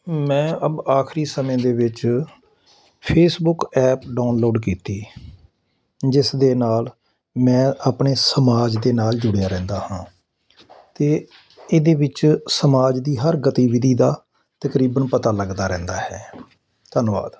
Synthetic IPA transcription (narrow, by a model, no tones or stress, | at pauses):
mɛ̃ːʔəbaːkʰɾiːsəmẽːd̪eːʋɪt͡ʃ | pʰeːsbʊkɛːpɖaːnloːɖkiːt̪iː | d͡ʒɪsd̪eːnaːl | mɛ̃ːʔaːpɳeːsəmaːd͡ʒd̪eːnaːld͡ʒʊɽejaːɾɛ̃ːnd̪aːhãː | t̪eː | ɪd̪eːʋɪt͡ʃsəmaːd͡ʒd̪iːɦəɾɡət̪iːʋɪd̪ʱiːd̪aː | t̪əkɾiːbənpət̪aːləɡd̪aːɾɛ̃ːnd̪aːɦɛː | t̪ənʋa̰ːd̪